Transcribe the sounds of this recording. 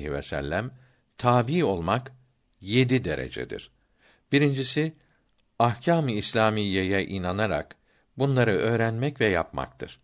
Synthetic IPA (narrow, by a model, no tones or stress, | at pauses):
hivɛ̰sɛ̰lʲːæm | t̪ʰaːbiːo̞lˠmak | je̞d̪id̪e̞ɾḛd͡ʒɛ̰d̪ḭɾ̥ | b̥iɾind͡ʒisi | ahcʰaːmiːslʲaːmijːejɛʔinanaɾa̰k | bunlˠaɾɯʔø̞ːɾænmɛcvɛja̰pma̰kt̪ʰɯ̰ɾ̥